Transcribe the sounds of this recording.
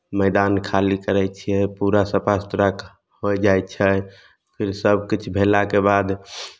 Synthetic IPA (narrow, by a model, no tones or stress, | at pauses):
məɪd̪ankʰalikəɾɛt͡ʃʰiɛpuɾasəpast̪ɾak | hojd͡ʒajt̪t͡ʃʰɛ | pʰiɾsəb̚ʱkit͡ʃʰbʱelakebad̪